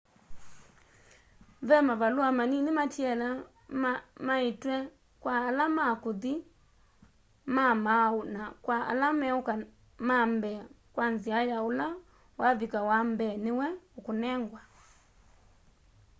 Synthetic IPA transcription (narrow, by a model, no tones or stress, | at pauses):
vɛmaβaluamaninɪmatiɛla | maitwɛ | kwaːlamakuði | mamaonakwaa̰lamɛoka | mambɛ | kwanziajaola | waðikawambɛnɪwɛokonɛŋɡwa